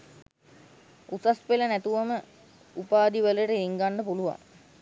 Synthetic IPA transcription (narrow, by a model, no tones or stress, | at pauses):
usaspelənæt̪uʋəmə | upaːd̪iʋələʈəiŋɡaɳɖəpuluʋa̰ŋ